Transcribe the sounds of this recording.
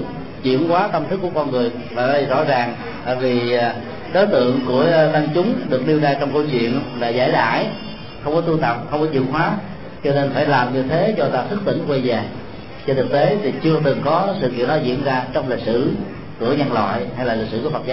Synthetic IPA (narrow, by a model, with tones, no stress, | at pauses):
t͡ɕwḭ˧˨ənkwaː˨˦t̪ə˧mt̪ʰkːu˧˩əkɔ˧nŋɨ˨˩əj | vaː˨˩aː˧˩i˨˩zɔ̰˧˥zaː˨˩ŋ | t̪a̰ː˧˨jvi˨˩ | ɗo˨˦jt̪ɨ̰˧˨əŋku˧˩ət̪a˧ŋt͡ɕʊ˨˦ŋ͡mɗɨ˨˩ək̚ɗi˧əwzaː˧jt͡ɕɔ˧wŋ͡mkə˧wt͡ɕwḭ˧˨ənlaː˨˩za̰ː˧˩jɗa̰ː˧˩˨j | xə˧wŋ͡mkɔ˨˦t̪u˧t̪ə˨˩p̚xə˧wŋ͡mkɔ˨˦zḭ˧˨ŋhwaː˨˦ | t͡ɕɔ˧ne˧nfaː˧˩jlaː˨˩mɲɨ˧t̪ʰe˨˦zɔ˧t̪aː˧sɨ˦˥k̚t̪ḭ˧˩ŋkwa˧jzaː˨˩ | t͡ɕɔ˧t̪ʰɨ˨˩k̚t̪e˨˦t̪ʰi˨˩t͡ɕɨ˧ət̪ɨ˨˩ŋkɔ˨˦sɨ̰˧˨k̬ḭ˧˨ənɗɔ˨˦zḭ˧˥ənzaː˧t͡ɕɔ˧wŋ͡mli˨˩k̚sɨ̰˧˩ | ku˧˩əɲə˧nlwa̰ː˧˨jha˧jlaː˨˩li˨˩k̚sɨ˧˩ku˧˩əfə˨˩t̚t͡ɕa˨˦